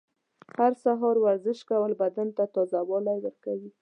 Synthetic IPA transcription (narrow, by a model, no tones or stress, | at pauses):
haɾsaɦɑɾwaɾzɪʃkawəlbad̪ant̪at̪ɑzawɑlajwəɾkawi